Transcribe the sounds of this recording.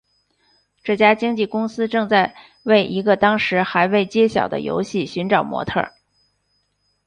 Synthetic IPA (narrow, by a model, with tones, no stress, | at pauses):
ʈ͡ʂɤ˥˩t͡ɕja˥t͡ɕi˥ŋt͡ɕi˥˩kʊ˥ŋsɹ̩˥ʈ͡ʂɤ˥˧ŋt͡sa˥˧ɪ | we˥˩ɪʔi˧˥ɡə˧t̪ɑ˥ŋʂɻ̩˧˥xa˧˥ɪwe˥˩ɪt͡ɕjɛ˥ɕjɑ̰˨˩ʊd̪ə̰˦jo̰˧˥ʊɕi˥˩ɕy˧˥nʈ͡ʂɑ˨˩ʊmwɔ̰˧˥t̪ʰɤ̰˥˩